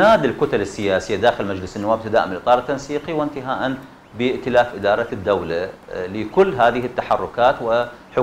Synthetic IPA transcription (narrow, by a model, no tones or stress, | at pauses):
aːd̪ɪlkʊt̪alɪsːɪjaːsɪjːad̪aːxɪlmad͡ʒlɪsɪnːʊwaːb̚t̪ad̪aːʔɪmɪlʔɨt̪ˤɑːɾˤt̪ːansiːqiwɪnt̪ɪɦaːʔan | bɪʔt̪ɪlaːfʔɪd̪ɑːɾˤɑd̪ːawlalɪkʊlːɦaːðɪhɪt̪ːaħɑrˤːʊkaːt̪wɪħʊ